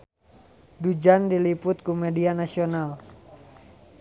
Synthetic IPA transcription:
dud͡ʒandilipʊt̪̚kumɛdianasional

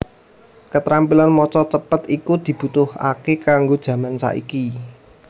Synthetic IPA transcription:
kət̪ɾampilanmɔt͡ʃɔt͡ʃəpət̪ikud̪̥i̤b̥ut̪ʊha̰kekaŋɡod̥ʒ̥ä̤mansa̰ʔḭki

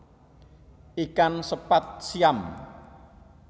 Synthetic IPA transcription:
ʔikansəpat̪̚sijam

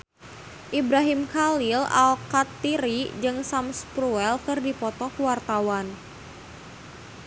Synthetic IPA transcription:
ʔibɾaɦimkalila̰lkat̪ːiɾid͡ʒɨŋsamspɾuɛlkɨrdipɔt̪ɔkwart̪awan

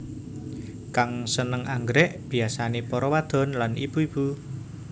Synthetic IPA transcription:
kaŋsənəŋaŋɡɾɛʔb̥i̤asanepɔɾɔwad̪̥ɔ̤nlanḭb̥uib̥u

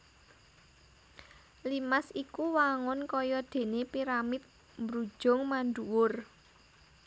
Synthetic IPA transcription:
limasikuwaŋɔnkɔjɔd̪̥e̤nepiɾamɪt̪̚ | mbɾud̥ʒ̥ʊ̤ŋmanduwʊr

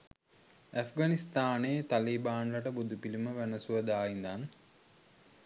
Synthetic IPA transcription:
æfɡanist̪aːneːt̪alibaːnlaʈəbud̪upiliməʋænəsuʋəd̪aːind̪an

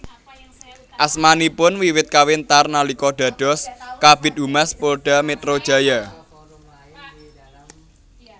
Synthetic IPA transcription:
ʔasmanipʊnwiwɪt̪̚kawɪnt̪arnalikɔɖ̥a̤ɖ̥ɔ̤skabɪt̪̚umaspolɖ̥amet̪ɾod̥ʒ̥a̤ja

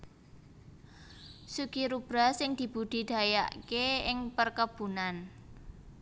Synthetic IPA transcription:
sukiɾub̥ɾasɪŋd̪̥i̤b̥ṳd̪̥i̤d̪̥a̤ja̰ʔkeɪŋpərkəb̥ṳnan

